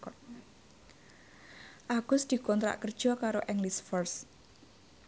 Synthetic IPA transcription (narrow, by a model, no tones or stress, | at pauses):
kɔ | ʔaɡ̥ʊsd̪̥i̤kɔnt̪ɾa̰ʔkər̥ʒ̥ɔkaɾoʔɛŋlisfɔrs